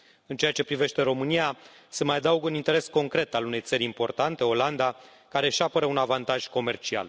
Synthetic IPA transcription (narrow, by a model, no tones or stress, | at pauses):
ɨnt͡ʃe̞at͡ʃe̞pɾive̞ʃt̪e̞ɾo̞mɨnijasəmajad̪auɡunint̪e̞ɾe̞sko̞ŋkɾe̞t̪alune̞jt̪səɾʲimpo̞rt̪ant̪e̞o̞land̪a | kaɾe̞ʃapəɾəunavant̪aʒ̥ko̞me̞rt͡ʃia̰l